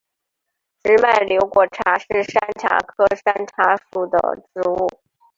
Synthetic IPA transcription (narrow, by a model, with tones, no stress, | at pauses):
ʈ͡ʂɻ̩˧˥ma˥˩ɪljo˧˥ʊkwɔ˨˩ʈ͡ʂʰa˧˥ʂɻ̩˥˩ʂa˥nʈ͡ʂʰa̰˧˥kʰɤ˥ʂa˥nʈ͡ʂʰa˧˥ʂu˨˩d̪ə̰˩ʈ͡ʂɻ̩˧˥u˥˩